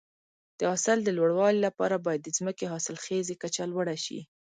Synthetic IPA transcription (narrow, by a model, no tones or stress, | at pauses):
d̪̥əɑsɪld̪əlwaɽwɑlilapɑ̰ɾabɑjad̪̚ːəzməkeɦɑsɪlxezekat͡ʃalwaɽaʃḭ